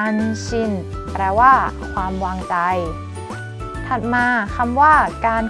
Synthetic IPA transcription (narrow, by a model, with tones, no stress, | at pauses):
nsʰi˧˩n | pɾɛː˧waː˥˩ | kʰwaː˧mwaː˧ŋt͡ɕa˧j | t̪ʰa˨˧˩t̪̚maː˧kʰa˧mwaː˥˩kaː˧n